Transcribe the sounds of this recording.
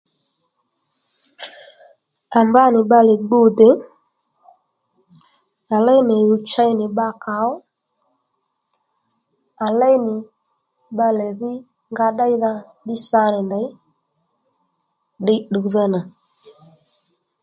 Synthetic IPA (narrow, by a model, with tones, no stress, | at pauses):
a˨mba˦nɪ˨ɓa˦lɛ˨ɡ͡bu˦˨de˨˦ | a˨la˦jnɛ˨ju˨t͡ʃa˦jnɪ˨ɓa˦˨ka˨˦ɔ˦ | a˨la˦jnɪ˨ | ɓa˦lɛ˨ði˦ | ŋɡa˦ɗa˦jða˦ɗi˦sa˦nɛ˨nda˨˦j | ɗɛ˦ɗu˨ðɛ˦na˨